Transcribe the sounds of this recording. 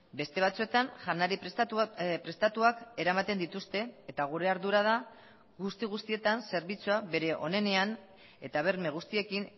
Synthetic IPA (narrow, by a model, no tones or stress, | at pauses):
be̞st̪e̞βat͡sue̞t̪anʝanaɾi | pɾe̞st̪at̪uake̞ɾamat̪e̞nd̪it̪ust̪e̞ːt̪aɣ̞uɾe̞aɾðuɾað̞a | ɣust̪iɣ̞ust̪ie̞t̪anse̞ɾβit͡suaβe̞ɾe̞ʔo̞ne̞ne̞an | e̞t̪aβ̞e̞ɾme̞ɣ̞ust̪ie̞kin